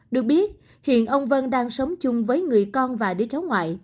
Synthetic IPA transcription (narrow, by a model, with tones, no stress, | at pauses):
ɗɨ˨˩ək̚ɓi˦˥ət̚ | hḭ˧˨ənʔə˧wŋ͡mvə˧nɗaː˧ŋsə˨˦wŋ͡mt͡ɕʊ˧ŋ͡mvəː˨˦jŋɨ˨˩əjkɔ˧nvaː˨˩ɗi˨˧˩t͡ɕa˨˦wŋwa̰ː˧˨j